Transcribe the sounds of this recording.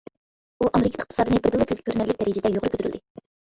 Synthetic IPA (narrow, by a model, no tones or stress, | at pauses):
uʔɛmlɪkʲɛt̪ɪ̥χ̚t̪ɨ̥sɑːd̪ɨmɪbɪɾd̪ɨlˠɨkʰʲøzlʲɪkʰʲøɾnɛlːɪk̚d̪ɛɾijd͡ʒɪd̪ɛjoʁɾɨkʲʰøt̪yɾy̰ld̪ɪ